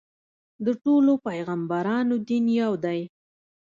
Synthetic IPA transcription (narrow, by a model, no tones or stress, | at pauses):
d̪əʈolopajɣambaɾɑnod̪injɑwd̪aj